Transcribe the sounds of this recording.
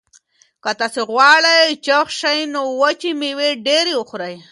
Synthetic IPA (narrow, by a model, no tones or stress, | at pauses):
kat̪aseɣwaɭajt͡ʃaχʃajnowat͡ʃimɪweɖeɾiʊxɾaj